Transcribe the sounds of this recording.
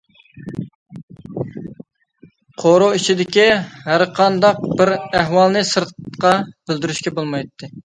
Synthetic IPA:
qʰoɾoit͡ʃʰid̪ɪkʲihæɾqʰɑnd̪ɑq̚bɪɾæɦwɑlˠnɨsɨɾt̪qɑb̥ɪld̪yɾyʃkʲɛbolˠmɑjt̪ʰːɨ

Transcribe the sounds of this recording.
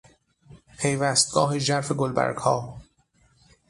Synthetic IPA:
pʰe̞jvæːst̪̚ɡ̥ɒːɦeʒæɾfeɡolbæ̰ɾɡhɒː

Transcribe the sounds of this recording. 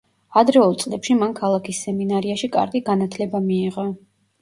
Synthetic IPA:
ad̪ɾɛɔlˠt̪sʼlɛpʃimankʰalˠakʰisːɛminaɾiaʃikʼa̰ɾɡiɡanat̪ʰlɛbamiːʁa

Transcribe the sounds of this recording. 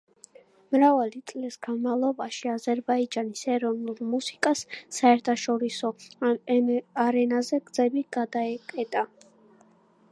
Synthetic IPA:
mɾavalit̪sʼlisɡ̥anmalˠɔbaʃiazɛɾbaid͡ʒanisɛɾɔnulˠmusi̥kʼasːaɛɾt̪ʰaʃɔɾisɔ | aɾɛnazɛɡd̪zɛbiɡ̥ad̪aɛkʼɛt̪ʼa

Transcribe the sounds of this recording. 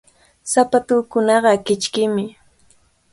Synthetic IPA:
sapat̪ʊːkʊnɑɢɑkɪt͡ʃkɪmɪ

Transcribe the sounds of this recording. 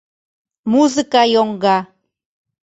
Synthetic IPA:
muzɨkajoŋɡa

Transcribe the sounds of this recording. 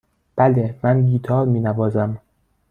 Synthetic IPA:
b̥ælemænɡiːt̪ʰɒːɾmiːnævɒːzæm

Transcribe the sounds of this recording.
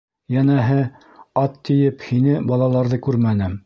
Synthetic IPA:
jænæɦɘ | ɑt̪ːĭjɘphinɘbɑlˠɑlˠɑɾðɤkʉɾmænɘm

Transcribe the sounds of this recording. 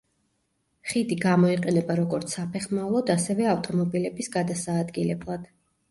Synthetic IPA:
χid̪iɡamɔiqʼɛnɛbaɾɔɡɔɾt̪sʰapʰɛχmaulˠɔd̪asɛvɛaft̪ʼɔmɔbilɛbisɡad̪asaːd̪ɡilɛblˠad̪̥

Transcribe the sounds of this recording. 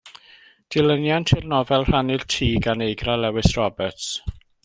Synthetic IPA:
d̥ɪlənjantʰɪrnɔvɛlˠr̥anɪltʰiːɡanejɡralɛwɪsrɔbɛrts

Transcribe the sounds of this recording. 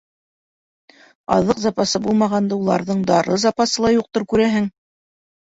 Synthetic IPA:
ɑ̰ðɤqzɑpɑsɤbulˠmɑʁɑnd̪ɤulˠɑ̰ɾðɤɴd̪ɑɾɤzɑpɑsɤlˠɑjuq̚t̪oɾkʉɾæɦɘŋ

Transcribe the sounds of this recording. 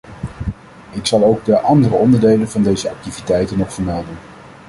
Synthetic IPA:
ɪksɑlˠowɡ̚dəʔɑndərəɔndəɹdejlənvɑndejzəɑk̚tivitɛjtənɔχfəɹmɛlˠdən

